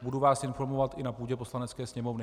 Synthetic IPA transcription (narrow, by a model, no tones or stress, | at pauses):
buduvaːsʔɪnfo̞ɾmovat̪ʔɪnapuːɟɛpo̞slanɛt͡skɛːsɲɛmo̞vnɪ